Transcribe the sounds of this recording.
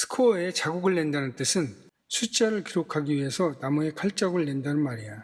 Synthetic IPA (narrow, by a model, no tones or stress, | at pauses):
sʰɯ̥kʰoet͡ɕaɡuɡɯɭːe̞ndanɯnt͈ɯsʰɯn | sʰut͡ɕ͈aɾɯɭkiɾokʰaɡiɥiɦe̞sʰʌnamue̞kʰaɭt͡ɕ͈aɡɯɭːe̞ndanɯnmaɾija